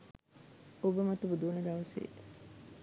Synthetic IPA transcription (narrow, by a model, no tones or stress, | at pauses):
obəmɐt̪ubud̪uːnɐɡ̪ɐʋɐsḛː